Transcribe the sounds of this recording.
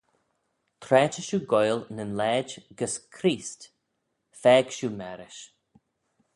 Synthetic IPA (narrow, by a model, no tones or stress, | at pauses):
t̪ʰɾɛːt͡ʃəʃuːɡɔjlnənlɛːd͡ʒɡəskʰɾiːst | fɛːɡ̥ʃuːmɛɾɪʃ